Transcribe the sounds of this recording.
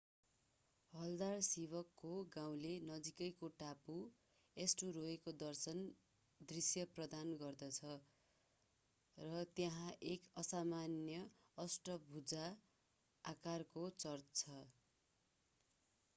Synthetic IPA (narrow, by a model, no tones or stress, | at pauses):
ɦʌld̪arsibʌkːoɡaw̃lenʌd͡zikʌjkoʈapu | esʈuroekod̪ʌrsʌn | d̪risjʌprʌd̪anɡʌrd̪ʌt͡sʰʌ | rʌt̪jʌɦãʔekʌsamanjʌ | ʌsʈʌbʱud͡zaː | karkot͡sʌrt̪t͡sʰʌ